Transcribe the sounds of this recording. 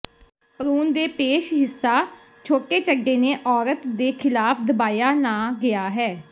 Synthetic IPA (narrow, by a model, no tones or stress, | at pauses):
pəɾuːnd̪eːpeːʃɦɪsːaː | t͡ʃʰoːʈeːt͡ʃəɡeːneːʔɔːɾət̪d̪eːkʰɪlaːpʰd̪əbaːjaːnãːɡɪaːɦɛː